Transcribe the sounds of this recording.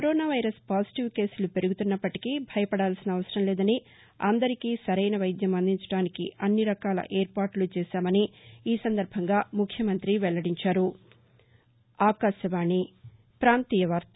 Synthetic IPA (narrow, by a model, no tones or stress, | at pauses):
kɾoːnaːʋɐjɾɐspaːsi̥ʈiʋke̞ːsulupe̞ɾuɡut̪unːɐpːɐʈikibʱɐjɐpɐɽaːlsinɐɐʋɐsɐɾɐmlɛːd̪ɐni | ɐ̰nd̪ɐɾikiːsɐɾɐjnɐʋɐjd̪jɐmɐnd̪iɲt͡ʃɐɽaːnikiʔɐnːiɾɐkaːlɐ̰ʔeːɾpaːɾʈlut͡ʃɛːʃaːmɐniːsɐnd̪ɐɾbʱɐŋɡaːmukʰjɐmɐnt̪ɾiʋɛɭːɐɽiɲt͡ʃaːɾu | aːkaːʃɐʋaːɳːi | pɾaːnt̪iːjɐʋaɾt̪ɐ